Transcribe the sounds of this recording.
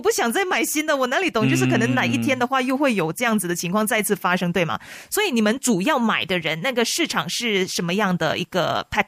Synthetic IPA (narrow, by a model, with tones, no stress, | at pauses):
ɔ˨˩p̬u˥˩ɕjɑ˨˩ŋt͡sa˥˩ɪma˨˩ɪɕi˥nd̪ə˨wɔ˨˩na˧˥li˨˥t̪ʊ˨˩ŋt͡ɕjo˥˧ʂ̩˥˩kʰɤ˨˩nɤ˧˥ŋna˨˩i˥˩t̪ʰjɛ˥nd̪ə˨xwa˥˧jo˥˧ʊxwe˥˩ɪjo˨˩ʊʈ͡ʂɤ˥˧jɑ˥˩ŋd͡zɹ̩˩d̪ə˩t͡ɕʰi˧˥ŋkʰwɑ˥˧ŋt͡sa˥˧ɪt͡sʰɹ̩˥˩fa˥ʂɤ˥ŋt̪we˥˩ɪmɐ̰˩swɔ˧˥i˧˥ni˨˩mə˧˦nʈ͡ʂu˨˩jɑ˥˩ʊma˨˩ɪd̪ə˦ɻə˧˥nna˥˩ɡə˩ʂɻ̩˥˩ʈ͡ʂʰɑ˨˩ŋʂɻ̩˥˩ʂə˧˥nmə˧jɑ˥˩ŋd̪ə̰˩ʔḭ˧˥ɡ̥ə̰˧pʰa˥˩